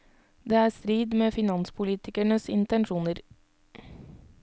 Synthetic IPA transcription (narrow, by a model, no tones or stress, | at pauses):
d̪eːæːst̪ɾiːd̪meːfɪnɑnspʰʊliːt̪ɪkæɳəsɪnt̪ɛnʃuːnəɾ